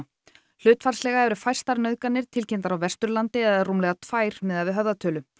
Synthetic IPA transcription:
l̥ʏːt̪farslɛɣaɛvɾʏfajr̥st̪aɾnœɥðkanɪɾ̥t̪ʰɪlcʰejnt̪aɾawvɛst̪ɾʏlant̪ɪɛðaðrumlɛɣat̪ʰfaːjɾ̥mɛðaðvɪɦœvðat̪ʰœːlʏ

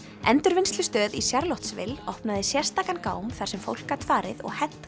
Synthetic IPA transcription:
ɛnt̪ʏɾvɪnst̪ʏst̪œːðisjaɾloht̪svɪ̰lɔhpnaðɪsjɛr̥st̪aːkankaːwmθaɾ̥sɛmfo̰wl̥kaɾt̪ʰfaːɾɪðɔ̰ɣhɛt̪

